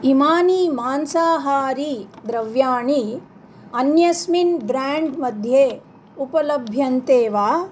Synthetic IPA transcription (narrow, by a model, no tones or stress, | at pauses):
imaːniːmaːnsaːɦaːɾid̪ɾɐʋjaːɳi | ɐnjɐsminbɾaːɳɖmɐd̪ʱjeː | upɐlɐbʱjɐnt̪eːʋaː